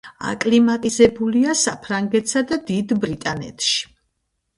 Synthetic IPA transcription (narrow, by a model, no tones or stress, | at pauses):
a̰kʼlimat̪ʼizɛbuliasapʰɾaŋɡɛt̪ʰʼsad̪ad̪id̪bɾit̪ʼanɛ̰t̪ʰʃi̥